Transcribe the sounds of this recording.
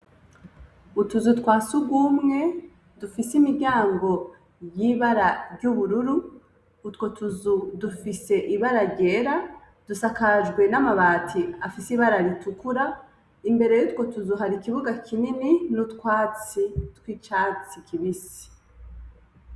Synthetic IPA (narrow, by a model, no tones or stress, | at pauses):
utuzutkwaːsuɡwumŋe̞ | dufisimiɟaːŋɡo̞ | jiːβaɾaɾɟuβuɾuɾuː | tko̞tʰuzudufise̞ʔiβaɾaɾɟe̞ːɾa | d̥usakaʒɡwe̞namaβaːtʰiafisiβaɾaɾitukuɾa | imbe̞ɾe̞jutkwo̞tuzuɦaɾikiβuɡakʰinininutkwaːt͡sitkwiːt͡ʃat͡sikʰiβisi̥